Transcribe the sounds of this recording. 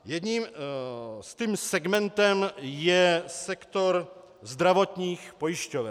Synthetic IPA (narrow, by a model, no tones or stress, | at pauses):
jɛd̪ɲiːm | st̪iːmsɛɡmɛnt̪ɛmjɛsɛkt̪oɾ | zd̪ɾavot̪ɲiːxpojɪʃcovɛ